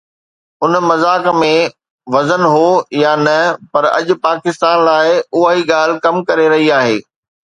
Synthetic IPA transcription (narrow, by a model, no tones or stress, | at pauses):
ʊnmɐzaːkmẽ | ʋɐzənɦoːjaːnɐpɐɾɐ̰ʄʊ̆paːkɪst̪aːnlaːɪʊɦaɦiɠaːl̤ɪkɐmkɐɾeɾɐɦiaːɦeː